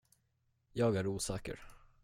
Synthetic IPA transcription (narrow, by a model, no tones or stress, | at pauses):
jɑːɡæɾuːsɑːkə̰ɾ